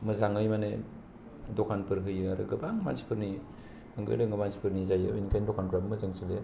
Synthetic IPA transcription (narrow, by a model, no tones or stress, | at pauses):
mɯzaŋɯjmane | dokʰanpɯɾɦɯjɯaɾɯ̰ɡɯbaŋma̰nsi̥pʰɯɾni | ɯŋɡɯ̰jdɯŋɐmansi̥pʰɯɾnizajɯbinikʰajndokʰanpʰɾabmɯzɯŋsile